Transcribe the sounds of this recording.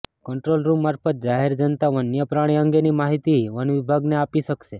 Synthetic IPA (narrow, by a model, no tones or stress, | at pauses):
kəɳʈɾolɾumːaɾfʰət̪̚d͡ʒaɦeɾd͡ʒənt̪aʋənjəpɾaɽ̃iə̃ŋɡenimaɦit̪iʋənʋibʱaɡneapiʃəkʃe